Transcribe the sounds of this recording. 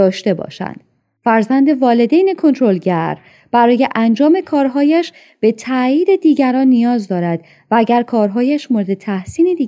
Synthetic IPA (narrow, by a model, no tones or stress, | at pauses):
ɒːʃt̪e̞bɒ̰ːʃæ̰nd̪̥ | fæɾzænd̪e̞vɒːle̞d̪ejne̞kʰo̞nt̪ʰɾo̞lɟæɾ | b̥æɾɒːje̞ʔænd͡ʒɒːme̞kʰɒːɾɦɒːjæʃ | b̥e̞t̪ʰæjiːd̪e̞d̪iːɟæɾɒːnːijɒːzd̪ɒːɾæd̪̥ | vææɟæɾkʰɒːɾɦɒːjæʃmoɾe̞d̪e̞t̪ʰæhsiːnid̪iː